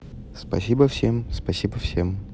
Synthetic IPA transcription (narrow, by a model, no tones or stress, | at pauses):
spɐ̰sʲibəfsʲemspɐsʲibəfsʲem